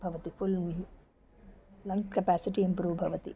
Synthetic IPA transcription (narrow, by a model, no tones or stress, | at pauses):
bʱɐʋɐt̪iful | lɐ̃ŋkkɐpæːsiʈiimpɾuːʋbʱɐʋɐt̪ḭ